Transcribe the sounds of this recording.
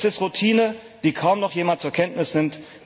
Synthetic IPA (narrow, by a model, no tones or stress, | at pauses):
sɪstʁutʰiːnə | d̥iːkʰaʊmnɔχjeːmant̚t͡suɐkʰɛntnɪsnɪmt